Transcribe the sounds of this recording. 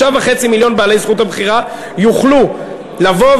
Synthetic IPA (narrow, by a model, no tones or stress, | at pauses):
avaχe̞t͡similjo̞nbeaːlejzχuthabχiʁa | juχlu | lavo̞